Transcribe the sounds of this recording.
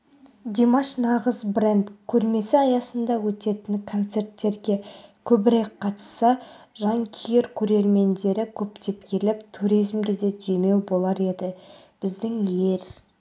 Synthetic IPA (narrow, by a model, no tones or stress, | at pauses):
d̪ʲemaʃnɑʁəzbrend̪kʲʰɵɾme̞sɪɑjɑsənd̪ɑwɵt̪e̞t̪ɪnkʰo̞nt̪se̞rt̪ːe̞ɾɡʲe̞kʲʰɵbɪɾek̚qʰɑt̪sɑ | ʒɑŋkʲʰijeɾkʲʰɵɾe̞ɾme̞nd̪e̞ɾɪkʲʰɵpt̪e̞pkʲʰe̞lɪpt̪ʰuɾijzmɡʲe̞d̪e̞d̪ʰejme̞wbo̞lˠɑɾe̞d̪ɪ | b̥ɪzd̪ɪŋje̞ɾ